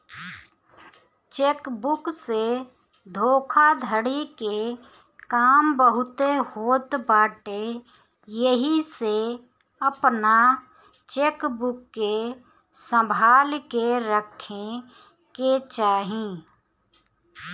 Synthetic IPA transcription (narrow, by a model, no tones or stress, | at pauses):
t͡ʃeːkbʊkse | d̪ʱoːkʰad̪ʱəɽike | kaːmbəɦʊt̪ehoːt̪baːʈe | jəɦise | əpna | t͡ʃeːkbʊkːe | sə̃mbʱaːlkeɾəkʰe | ket͡ʃaːɦĩ